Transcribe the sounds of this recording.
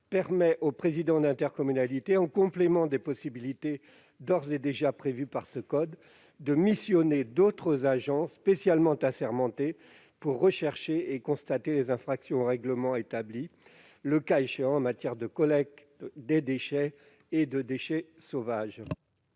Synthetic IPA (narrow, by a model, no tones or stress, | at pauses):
pɛʁmɛʔopχezid̪ɑ̃d̪ɛ̃t̪ɛʁkɔmynalit̪eɑ̃kɔ̃plemɑ̃d̪epɔsibilit̪e | d̪ɔʁzed̪eʒapχevypaʁsəkɔd̪ː | əmisjɔned̪ot̪χəzaʒɑ̃spesjalmɑ̃t̪asɛʁmɑ̃t̪e | puʁːəʃɛʁʃeekɔ̃st̪at̪elezɛ̃fχaksjɔ̃oʁɛɡləmɑ̃et̪abli | ləkaeʃeɑ̃ɑ̃mat̪jɛʁd̪əkɔlɛk̚ | d̪ed̪eʃɛ | ed̪əd̪eʃɛsovaʒ